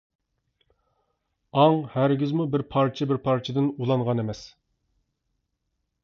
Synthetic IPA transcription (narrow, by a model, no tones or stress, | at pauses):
ɑŋhæɾɡʲɪzmubɪɾpʰɑɾt͡ʃʰɪbɪɾpʰɑɾt͡ʃʰɪd̪ɪnulˠɑŋʁɑnemɛs